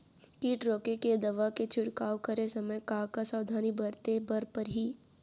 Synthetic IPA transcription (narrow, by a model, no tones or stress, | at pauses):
kiːʈɾoːkeked̪ɐʋaket͡ʃʰʊɽkaːwkəɾesɐməjkaːkasaːwd̪ʱaːnibəɾt̪ebɐɾpəɾɦiː